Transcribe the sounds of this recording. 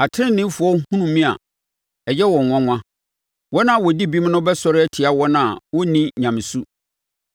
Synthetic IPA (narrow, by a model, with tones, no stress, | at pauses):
a˨tʰɪ˦ɪ̃˦nɪ̃˦fʊ˨ɔ˦hũ˦nũ˨mĩ˦a̰˨ | ɛ˨jɛ˦wɔ̃˨ŋ˨ŋʷɔ̃˦ŋʷã˦ | wɔ˦nã˦˨wɔ˨di˦bi˦m˦nʊ̃˦bɛ˦sɔ˦ɾɪ˦ɛ˦tʰɪ˨a˨wɔ˦nã˨wɔ˦nĩ˦ɲã˨mɪ̃˨su˦